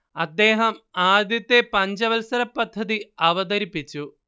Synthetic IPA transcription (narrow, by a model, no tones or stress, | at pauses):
ɐd̪ːe̞ːɦɐmaːd̪jɐt̪ːepɐɲd͡ʑɐʋɐlsɐɾɐpːɐd̪ʱːɐðiɐʋɐd̪ɐɾipːit͡ɕːu